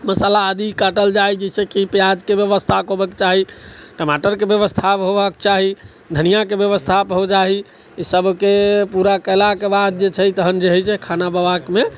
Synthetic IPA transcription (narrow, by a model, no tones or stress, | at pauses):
məsalaəd̪ikəʈəld͡ʒaid͡ʒəsẽkipjad͡ʒkebjəʋəst̪ʰakɦobəkt͡ʃaɦiʈəmaʈəɾkebjəβəst̪ʰapɦobəkt͡ʃaɦi | d̪ʱənijakebjəʋəst̪ʰapɦod͡ʒaɦi | isəbʱkepuɾakəlakebad̪̚d͡ʒet͡ʃʰət̪əɦənd͡ʒeɦɛt͡ʃʰɛkʰanabəbakme